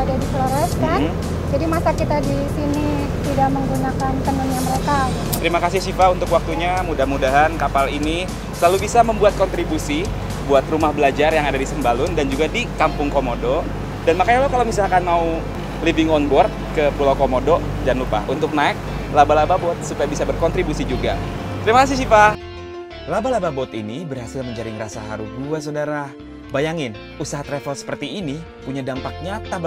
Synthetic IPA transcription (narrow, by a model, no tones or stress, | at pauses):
adadifloɾɛskan | d͡ʒadimasakit̪adisini | t̪idaʔməŋɡunakant̪ənənɲaməɾeka | t̪əɾimakas̬ɪhsifaunt̪ʊkwak̚t̪uɲamudamudaɦankapalini | səlalubisaməmbuat̪̚kɔnt̪ɾibusi | buat̪rumahbəlad͡ʒarjaŋadadisəmbalʊndand͡ʒuɡadikampʊŋkomodo | danmakaɲalakalamisakanmau | livɪŋɔnbɔrt̪̚kəpulawkomodo | d͡ʒanlupa̰hunt̪ʊk̚naɪk̚labalababɔt̪̚supajabisabərkɔnt̪ɾibusid͡ʒuɡat̪əɾimakas̬ɪhsipa | labalababɔt̪inibərhasɪlməɲd͡ʒaɾɪŋrasaɦa̰ɾuɡuas̬odaɾa | bajaŋɪn | usaɦat̪ɾefɔlsə̥pərt̪iːni | puɲadampak̚ɲat̪ab